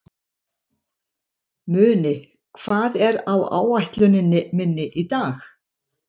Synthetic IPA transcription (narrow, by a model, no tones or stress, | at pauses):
mʏːnɪ | kʰv̥aːðɛɾawa̰ːwajht̪lʏnɪnːɪmɪnːɪʔit̪aːx